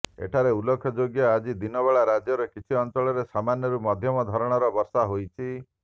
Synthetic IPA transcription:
ḛʈʰaɾeulɔkʰɔd͡ʒoɡjad͡ʒid̪inɔβeɭaɾad͡ʒjɔɾɔkit͡ʃʰiɔnt͡ʃɔɭɔɾesamanjɔɾumɔd̪ʱjɔmɔd̪ʱɔɾɔɽ̃ɔɾɔbɔɾsaɦojt͡ʃʰi

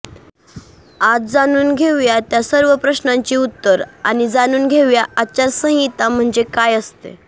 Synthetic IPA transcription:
ad͡zd͡zanuːnɡʱeʋjat̪jasəɾʋəpɾəɕnaɲt͡ɕiːut̪ːəɾa̰ñid͡zanuːnɡʱeʋjaʔat͡ɕaɾsə̃ɦit̪am̤əɳd͡zekajəst̪ḛ

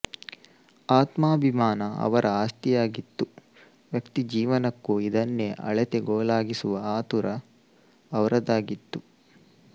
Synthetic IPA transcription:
aːt̪maːbʱimaːnɐɐ̰ʋɐɾʔɐaːst̪ijaːɡit̪ːu | ʋjɐkt̪id͡ʒiːʋɐnɐkːuid̪ɐnːeʔɐ̰ɭɛt̪eɡoːlaːɡisuʋɐaːt̪uɾɐː | ʋɐɾɐd̪aːɡit̪ːu

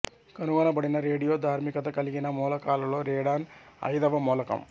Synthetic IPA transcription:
kɐnuʋɐnɐbɐɽinɐɾeːɽijoːd̪ʱaːɾmɪkːɐt̪ːɐkɐliɣinɐmoːlɐkaːlɐloːɾeːɽaːnɐ̰jd̪ɐʋɐmoːlɐkːɐ̰m

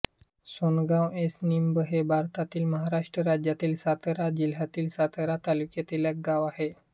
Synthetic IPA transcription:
sonɡãwesnimbəɦebʱaɾt̪at̪iːlməɦaɾaʂʈɾəɾad͡ʑjat̪iːlsat̪əɾad͡ʑil̤ɦjat̪iːlsat̪əɾat̪alukjat̪iljəkɡaʋahe

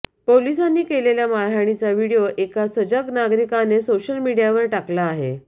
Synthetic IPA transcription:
polisanːiːkeleljamaɾɦaɽ̃it͡saʋiɽijoʔekasəd͡ʑəknaɡɾikanesoɕəlmiɽijaʋəɾʈaklaːɦḛ

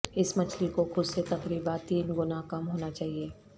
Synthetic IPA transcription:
ɪsmɐt͡ʃʰlikoxʊd̪set̪ɐkɾiːbat̪iːnɡʊnakɐmɦoːnat͡ʃaːɦieː

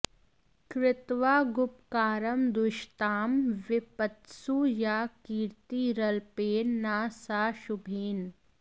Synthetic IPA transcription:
kɾɪt̪ʋaːɡʊpkaːɾəmd̪ʊʃt̪aːmʋɪpət̪suːjaːkiːɾt̪iɾɐlpeːnnaːsaːʃʊbʱiːn

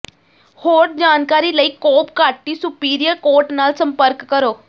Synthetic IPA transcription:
hoːɾd͡ʒaːnkaːɾiːləiːkoːpkaːʈiːsʊpiːɾijəɾkoːʈnaːlsə̃mpəɾkːəɾoː

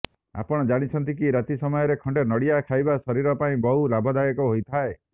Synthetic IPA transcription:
a̰pɔɽ̃ɔd͡ʒaɽ̃it͡ʃʰɔnt̪ikiɾat̪isɔmɔjɔɾekʰɔɳɖenɔɽijakʰajbasɔɾiɾɔpaĩbɔɦulabʱɔd̪ajɔkɔɦojt̪ʰae

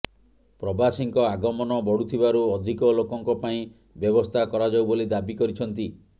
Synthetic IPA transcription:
pɾɔbasiŋkɔaɡɔmɔnɔbɔɽut̪ʰibaɾuɔd̪ʱikɔlokɔŋkɔpaĩ | bjɔbɔst̪ʰakɔɾad͡ʒawbolid̪abikɔɾit͡ʃʰɔnt̪i

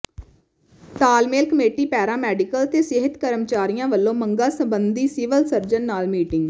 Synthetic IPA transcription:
t̪aːlmeːlkəmeːʈiːpɛːɾãːmɛːɖɪkəlt̪eːsɪɦət̪kəɾəmt͡ʃaːɾijãːʋəlːõːməŋɡaːsəbənd̪iːsɪːʋəlsəɾd͡ʒənːaːlmiːʈɪŋɡ

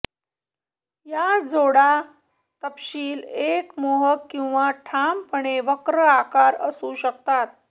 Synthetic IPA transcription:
jad͡zoɽa | t̪əpɕiːlekmoɦəkːĩw̃ʋaʈʰampəɳ̃eʋəkɾəakaɾəsuɕəkt̪at̪̚

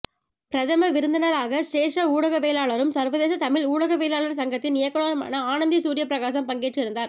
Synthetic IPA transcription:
pɪɾɐðɐmɐʋɪɾɯnd̪ɐnɐɾaːɣɐsʈeːʂɐuːɽɐɣɐʋeːlaːɭɐɾɯmsɐɾʋɐðeːsɐt̪ɐmɪɭuːɽɐɣɐʋeːlaːɭɐɾsɐŋɡɐt̪ːɪnɪjɐkːɐɭoːɾɐma̰ːnɐaːnɐnd̪isuːɾɪjɐpɾɐɣaːs̬ɐmpɐŋɡeːʈrɪɾɯnd̪aːɾ

